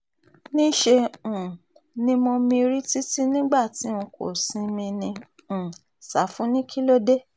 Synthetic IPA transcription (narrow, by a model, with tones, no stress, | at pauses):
nĩ˦ʃe˧ũ˨ | nĩ˦mɔ̃˧mĩ˧ɾi˦ti˦ti˦nĩ˦ɡ͡ba˦˨ti˨˦ũ˧ko̰˨sĩ˧mĩ˧nĩ˧ | ũ˨ | sa˨˦fũ˨˦nĩ˦kʰi˦lo˦de˦